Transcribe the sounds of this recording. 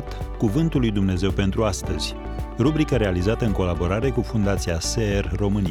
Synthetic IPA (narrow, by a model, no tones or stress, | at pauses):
t̪kuvɨnt̪ulːujd̪umne̞ze̞wpe̞nt̪ɾuast̪əz̥ʲ | rubɾikəɾe̞alizat̪əɨŋko̞labo̞ɾaɾe̞kufund̪at̪siaserːo̞mɨni